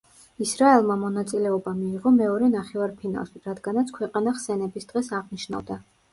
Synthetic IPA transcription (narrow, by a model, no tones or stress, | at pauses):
isɾaɛlˠmamɔnat̪sʼilɛɔbamiːʁɔmɛɔɾɛnaχɛvaɾpʰina̰lˠʃiɾad̪ɡanat̪sʰkʰwɛqʼanaχsɛnɛbisd̪ʁɛsaʁniʃna̰vd̪a